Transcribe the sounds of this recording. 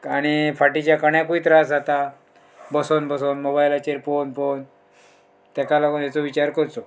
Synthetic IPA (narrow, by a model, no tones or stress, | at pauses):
aɽ̃ifʰaʈit͡ɕjakəɳjakuit̪ɾasd͡zat̪a | bəsonbəsonmobajlat͡ɕeɾfonfon | t̪ɛkalakonjɛt͡soʋit͡ɕaɾkəɾt̪o